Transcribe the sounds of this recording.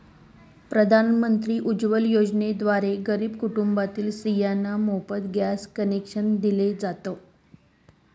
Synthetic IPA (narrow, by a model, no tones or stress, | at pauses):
pɾəd̪ʱanmənt̪ɾiːʔud͡ʑʋəljod͡ʑned̪ʋaɾeɡəɾiːbkuʈumbat̪iːlsijanːamopət̪ɡjaskənekʂənd̪iled͡zat̪o